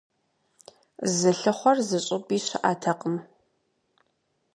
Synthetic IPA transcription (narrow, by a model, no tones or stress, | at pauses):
zɨɬɨχʷɔrzɨɕʼɪbiːɕɪ̰ʔa̰ːtʰɐqʼəm